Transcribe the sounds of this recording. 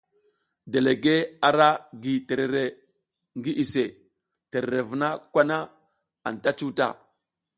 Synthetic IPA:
de˨le˨ɡe˦a˨ɾa˦ɡi˨te˨ɾe˨ɾe˨ | ŋɡi˦ʔi˨se˨ | te˨ɾe˨ɾe˨vu˨na˦kʷa˦na˦ | a̰˨n˨ta˦t͡ʃu˦ta̰˦˨

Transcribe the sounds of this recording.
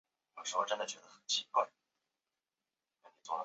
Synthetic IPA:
jo˨˩ʊʂɻ̩˧˥xo˥˧ʈ͡ʂə˥nd̪ə˨˩t͡ɕɥɛ˧˥d̪ə˧xə˨˩nt͡ɕʰi˥kwa˥˩ɪ | ka˥˩ni˨˩t͡sʊ˥˩d̪ə˧

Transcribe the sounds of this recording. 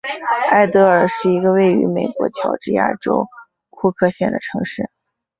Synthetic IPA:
a˥˩ɪt̪ɤ˧˥ə˞˨˩ʂɻ̩˥˩i˧˥ɡə˧we˥˩ɪy̰˧˥me˨˩ɪkwɔ̰˧˥t͡ɕʰjɑ˧˥ʊʈ͡ʂɻ̩˥˧ja̰˥˩ʈ͡ʂo˥ʊ | kʰu˥˧kʰɤ˥˧ɕjɛ˥˩nd̪ə˩ʈ͡ʂʰɤ˧˥ŋʂɻ̩˥˩

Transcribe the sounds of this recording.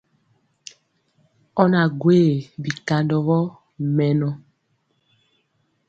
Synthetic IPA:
ɔ˦na˨ɡweː˦˨bi˨ka˨ndɔ˨ɣɔ˦ | mɛ˨nɔ˦

